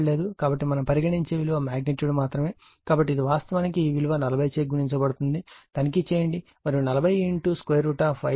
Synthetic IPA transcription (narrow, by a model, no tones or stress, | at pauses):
le̞ːd̪ukaːbɐʈːimɐnɐmpɐɾiɡɐɽiɲt͡ʃe̞ːʋiluʋɐmaːɡ̚neʈjuːɽumaːt̪ɾɐme̞ː | kaːbɐʈːid̪iʋaːst̪ɐʋaːnikiːʋiluʋɐnɐlɐbʱɐjt͡ʃeːɡuɾiɲt͡ʃɐbɐɽut̪und̪it̪ɐnikit͡ʃeːjɐɳɖi | mɐɾiunɐlɐbʱɐjeɳʈuskʋeːɾuʈaːpʰɐ